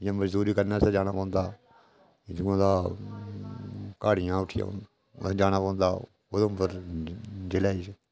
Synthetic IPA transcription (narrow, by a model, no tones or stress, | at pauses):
jãːməd͡ʒd̪uːɾiːkəɾnaːsed͡ʒaːnaːpɔ̃ːnd̪aː | duãːd̪aː | kaːɽɪjãːʊʈʰɪjã̰ | d͡ʒaːñaːpɔ̃ːnd̪aː | od̪õmpəɾ | d͡ʒelaːise